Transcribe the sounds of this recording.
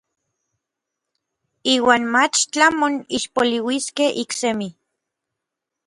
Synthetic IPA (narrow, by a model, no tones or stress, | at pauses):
iːwaːnmat͡ʃt͡ɬamoniʃpoliwiskeʔiksemi